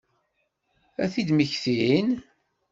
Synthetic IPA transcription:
æθid̪miçθiin

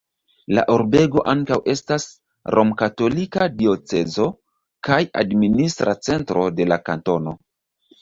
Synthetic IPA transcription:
la̰ʔoɾbe̞ɡo̞ʔaŋkawʔe̞stas | ɾʔo̞mkato̞likadio̞t͡se̞zo̞ | kaja̰dministɾʔa̰t͡se̞ntɾo̞de̞lakanto̞no̞

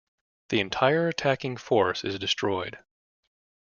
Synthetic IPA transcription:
ðiɨ̃ntʰaɪə˞ɨtʰækɪ̃ŋfɔɹsɨ̰zdɨstʰɹ̥ɔɪd̥

